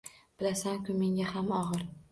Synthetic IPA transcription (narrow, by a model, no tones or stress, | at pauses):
b̥ɪlasaŋkʰʲʊme̞ŋʲahamɒʁɨɾ